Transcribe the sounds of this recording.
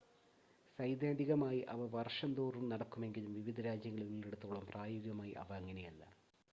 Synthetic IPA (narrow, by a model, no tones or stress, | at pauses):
sɐjd̪jaːndiɣɐmaːjiʔɐʋɐʋɐrʂɐnd̪oːrumnɐɽɐkːume̞ŋɡilumʋiʋid̪ʱɐɾaːd͡ʑjɐŋːɐɭunilːeɽut̪ːuːɭɐmpraːjoɣiɣɐmaːjḭʔɐ̰ʋɐɐŋːɐnejulːɐ̰